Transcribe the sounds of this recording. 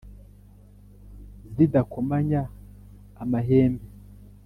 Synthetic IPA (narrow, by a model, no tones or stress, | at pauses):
zidakomaɲaː | maɦeːmbe